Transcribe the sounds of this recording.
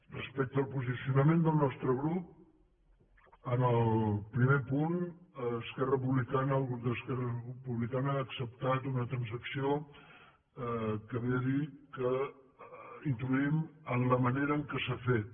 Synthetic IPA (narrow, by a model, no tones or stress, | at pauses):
rəspɛk̚t̪əlˠpuzisiunəmend̪əlˠnɔst̪ɾəɣɾup̚ | ənəlˠpɾimepunəskɛrəpuβlikanəːlˠɣud̪əskɛrəpuβlikanəːksəp̚t̪at̪unət̪ɾənzəksio | kəβeəðikə | int̪luimənləməneɾəːŋkəsafet̪̚